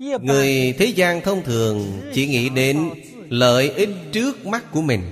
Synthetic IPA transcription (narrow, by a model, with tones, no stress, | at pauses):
ŋɨ˨˩əjt̪ʰe˨˦zaː˧nt̪ʰə˧wŋ͡mt̪ʰɨ˨˩əŋt͡ɕḭ˧˩ŋḭ˧˨ɗe˨˦n | lə̰ː˧˨jʔi˦˥t̚t͡ɕɨ˦˥ək̚ma˦˥k̚ku˧˩əmï˨˩ŋ̟